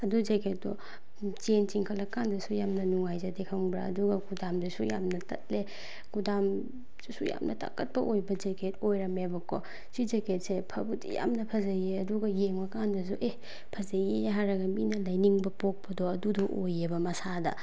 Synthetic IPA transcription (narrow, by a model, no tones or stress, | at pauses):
ɐdud͡ʒeket̚dɔ | t͡ʃent͡ʃiŋkʰɐlɐkandɐsujamnɐnuŋajzɐdekʰɐmbɾa̰ɐ̰duɡɐɡudamdisuja̰mnɐtɐ̰t̚le | ɡudam̥ | isuja̰mnʔɐ̰ta̰kɐt̚pɐʔojbɐd͡ʒeketojɾɐmebɐkʰɔ̰ | sid͡ʒeket̚sepʰɐbutḭja̰mnɐpʰɐzɐjeɐduɡɐjeŋmɐkandɐs̬uʔe | pʰɐzɐjeɦaɾɐɡɐminɐlɐjniŋbɐpok̚pɐdɔɐdudɔʔojebɐmɐsadɐ̰